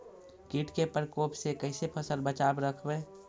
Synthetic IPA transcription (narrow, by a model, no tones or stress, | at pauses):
kiːʈkepəɾkoːpsekəɪsepʰəsəlbət͡ʃaːbɾəkʰbẽː